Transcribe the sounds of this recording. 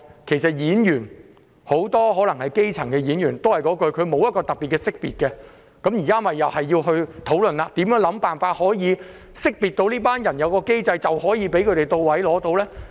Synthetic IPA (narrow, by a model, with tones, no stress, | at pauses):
kʰe˨˩jsɐ˨t̚jiː˨˥njyː˨˩n | ho˨˥wt̪ɔː˥ɦɔː˨˥lɐ˨˩ŋhɐ˨jke˥jt͡sʰɐ˨˩ŋkɛ˧jiː˨˥njyː˨˩nt̪o˥whɐ˨jkɔː˨˥kɵ˧ɥkʰɵ˨˧ɥmo˨˧wjɐ˥t̚kɔː˧t̪ɐ˨˩pːiː˨t̚kɛː˧sɪ˥k̚piː˨˩t̚kɛ˧ | kɐ˨˥mjiː˨˩kaː˥mɐ˨jːɐ˨whɐ˨jːiː˧wɦɵ˧ɥt̪ʰo˨˥wlɵ˨nlaː˧t̪iː˨˥mjœː˨˥ŋlɐ˨˧˥mpaː˨nfaː˧t̚hɔː˨˥jiː˨˧ | sɪ˥k̚piː˨t̪̚o˧wliː˥paː˥njɐ˨˩njɐ˨˧wkɔː˧ke˥jt͡sɐ˧jt͡sɐ˨whɔː˨˥jiː˨˧˥pe˨˥jkʰɵ˨˧t̪e˨˩jt̪o˧wwɐ˨˥jlɔː˨˥t̪o˧wlɛː˥